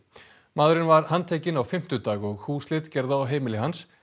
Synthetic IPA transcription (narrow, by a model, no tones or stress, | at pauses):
maːðɾɪnvaɾhant̪ʰɛːcɪnawfɪm̥t̪ʏt̪aːɣɔɣhuːslɪt̪cɛɾðaawɦeːjmɪlɪɦans